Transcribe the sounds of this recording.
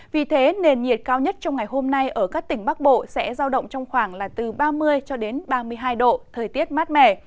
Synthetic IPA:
vi˨˩t̪ʰe˨˦ne˧˩nɲi˨˩ət̚kaː˧wɲə˦˥t̚t͡ɕɔ˧wŋ͡mŋa˨˩jɦo˧mna˧jʔəː˧˩kaː˦˥k̚t̪ï˧˩ŋ̟ɓa˦˥k̚ɓo̰˧˨sɛ̰˧˥zaː˧wɗə̰˧˨wŋ͡mt͡ɕɔ˧wŋ͡mxwaː˧˩ŋlaː˨˩t̪ɨ˨˩ɓaː˧mɨ˧əjt͡ɕɔ˧ɗe˨˦nɓaː˧mɨ˧əjɦaː˧jɗo̰˧˨t̪ʰəː˨˩jt̪i˦˥ət̚maː˦˥t̚mɛ̰˧˩

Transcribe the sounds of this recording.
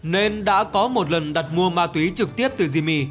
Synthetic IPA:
ne˧nɗa̰ː˧˥kɔ˨˦mo˨˩t̚lə˨˩nɗa˨˩t̚mu˧əmaː˧t̪wi˨˦t͡ɕɨ˨˩k̚t̪i˦˥əp̚t̪ɨ˨˩zi˧mi˧

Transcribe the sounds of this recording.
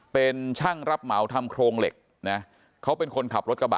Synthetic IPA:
pe˧nt͡ɕʰaː˥˩ŋɾa˦˥p̚ma˩˦wt̪ʰa˧mkʰɾoː˧ŋlḛ˨˩k̚ | na˦˥ | kʰa˦˥wpe˧nkʰo˧nkʰa˨˩p̚ɾo˦˥t̪̚k̚a˧ba̰˨˩

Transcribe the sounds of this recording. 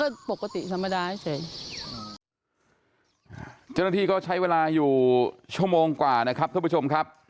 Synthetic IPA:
ɔː˥˩po˨˩ka˧t̪ḭ˨˩t̪ʰa˧mːa˧daː˧ha˥˩jsʰa˨˦j | t͡ɕa˥˩˨na˧˥t̪iː˧kɔː˥˩t͡ɕʰa˦˥jweː˧laː˧juː˨˩t͡ɕʰu˥˩əmoː˧ŋkwaː˨˩na˦˥kʰa˦˥p̚t̪ʰa˧˥˩t͡ɕo˧mkʰa˦˥p̚

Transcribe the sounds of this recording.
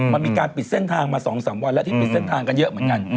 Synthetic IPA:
ma˧nmiː˧kaː˧npi˨˩se˥˩nt̪ʰaː˧ŋmaː˧sɔː˩˦ŋsaː˩˦mwa˧nlɛ˦˥t̪ʰiː˥˧˥pi˨˩t̪̚se˥˩nt̪ʰaː˧ŋka˧njɤ˦˥ʔmɯ˩˦ənka˧n

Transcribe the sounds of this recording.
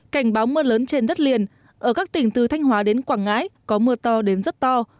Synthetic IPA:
ka˧˩jŋ̟ɓaː˨˦wmɨ˧ələː˨˦nt͡ɕe˧nɗə˦˥t̚li˨˩ən | ʔəː˧˩kaː˦˥k̚t̪ï˧˩ŋ̟t̪ɨ˨˩t̪ʰa˧jŋ̟hwaː˨˦ɗe˨˦nkwaː˧˩ŋːaː˨˦jkɔ˨˦mɨ˧ət̪ɔ˧ɗe˨˦nzə˦˥t̚t̪ɔ˧

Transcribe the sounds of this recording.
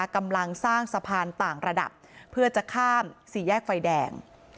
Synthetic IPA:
ka˧mla˧ŋsaː˥˩ŋsa˧pʰaː˧nt̪aː˨˩ŋɾa˧da̰˨˩p̚ʰːɯ˥˩ɐt͡ɕa˨˩kʰaː˥˩msiː˩˦jɛː˥˩k̚fa˧jdɛː˧ŋ

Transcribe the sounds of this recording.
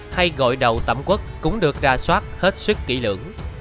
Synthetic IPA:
ha˧jɣɔ̰˧˨jɗə˨˩wt̪ə̰˧˩mkwə˦˥t̚ːkʊ̰˧˥ŋ͡mɗɨ˨˩ək̚zaː˧swaː˦˥t̚he˦˥t̚sɨ˦˥kːḭ˧˩˦lɨ̰˧˩əŋ

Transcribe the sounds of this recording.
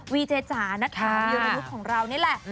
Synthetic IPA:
wiː˧t͡ɕ̪ʰeː˧t͡ɕaː˩˦na˦˥tʰaː˨˦˧i˧na˧ju˦˥t̚kʰɔː˩˦ŋɾa˧wni˦˥˩ɐ˨lɛ˨˩ʔ

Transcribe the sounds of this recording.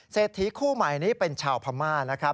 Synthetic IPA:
seː˨˩t̪ʰːi˦˥kʰuː˥˩maː˩˦jniː˦˥pe˧nt͡ɕʰaː˧wpʰa˧maː˥˩na˦˥kʰɾa˦˥

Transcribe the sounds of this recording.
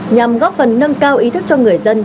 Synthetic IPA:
ɲa˨˩mɣɔ˦˥p̚fə˨˩nːə˧ŋkaː˧wʔi˨˦t̪ʰɨ˦˥k̚t͡ɕɔ˧ŋɨ˨˩əjzə˧n

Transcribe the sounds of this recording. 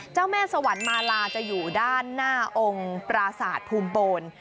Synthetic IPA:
t͡ɕaː˥˩wmɛː˥˩sa˧wa˩˦nmaː˧laː˧t͡ɕa˨˩juː˨˩daː˥˩nːaː˥˩ʔo˧ŋpɾa˧saː˨˩t̪̚pʰuː˧mpoː˧n

